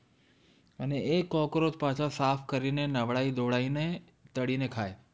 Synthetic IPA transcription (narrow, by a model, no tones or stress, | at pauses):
əneekːɔ̃kɾot̪pãt͡ʃʰãsapʰkəɾinenəʋɭaid̪oɭaine | t̪əɽinekʰae